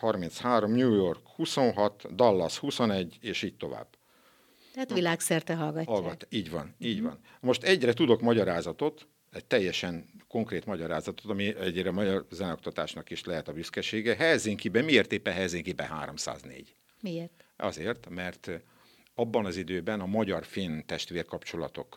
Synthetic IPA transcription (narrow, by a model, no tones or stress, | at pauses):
hɒrminshaːɾo̞mɲuːjo̞rkhuso̞nɦɒt̪d̪ɒlːɒshuso̞nɛɟːeːʃiːɟ̚t̪o̞va̰ːb | at̪ʋilaːksɛrt̪ɛɦɒlɡɒɒlɡɒt̪ːiːɟʋɒ̰niːɟvɒ̰n | mo̞ʃt̪ɛɟrɛt̪ud̪o̞kmɒɟɒɾaːzɒt̪o̞t̪ | ɛc̚t̪ɛjːɛʃɛŋko̞ŋkreːt̪mɒɟɒɾaːzɒt̪ot̪ɒmiɛɟrɛmɒɟɒrzɛnɛok̚t̪ɒt̪aːʃnɒkiʃlɛɦɛt̪ɒbyskɛʃeːɡɛɦɛjziŋkibɛmieːrt̪eːpːɛnɛjziŋkibɛ̰ɦa̰ːɾo̞msa̰ːznḛːɟ | miert̪ɒ̰zeːrt̪mɛrt̪ | ɒbːɒnɒzid̪øːbɛnɒmɒɟɒrfeːnt̪ɛʃt̪ʋeːrkɒpt͡ʃo̞lɒ̰t̪o̞̰k